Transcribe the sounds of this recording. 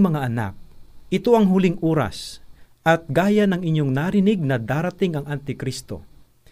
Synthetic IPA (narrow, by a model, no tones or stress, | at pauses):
mɐŋaʔɐna̰k̚ʔɪt̪o̞ʔɐŋɦʊlɪŋʔoːɾɐ̰s | ʔɐt̪̚ɡaːjanɐŋɪɲjoŋnaːɾɪnɪɡ̚nɐd̪aːɾɐt̪ɪŋɐŋʔɐnt̪ɪkɾist̪o̞̰